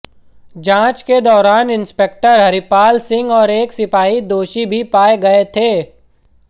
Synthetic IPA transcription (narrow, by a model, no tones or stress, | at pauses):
d͡ʒãːt͡ʃked̪ɔːɾaːnɪnspek̚ʈəɾɦɐɾipaːlsɪ̃ŋɡɔːɾeːksɪpaːid̪oːʃibʱipaːeɡɐet̪ʰeː